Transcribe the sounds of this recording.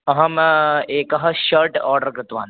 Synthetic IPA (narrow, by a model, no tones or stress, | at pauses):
ɐɦɐmeːkɐɦɐʃəɾʈɔːɾɖəɾkɾɪt̪ʋa̰ːn